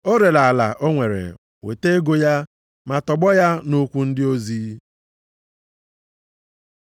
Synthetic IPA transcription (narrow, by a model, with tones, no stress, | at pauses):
o˦ɾe˨la˨la̰˨ʔo˦ŋʷe˨ɾḛ˨ | wḛ˨te˦e˦ɡo˦ja˦ | ma˨tɔ˨ɡ͡bɔ˦ja˦no˦kʷu˦n̩˦dɪ˦o˦zi˦